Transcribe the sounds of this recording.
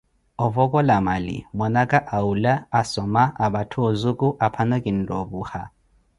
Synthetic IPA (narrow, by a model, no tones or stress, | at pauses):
ɔvɔkɔlamalḭmwɔnakʼaʔaulaasɔmaaɓatʰuɔzukuʔapʰanɔkʼin̩dɔbuha̰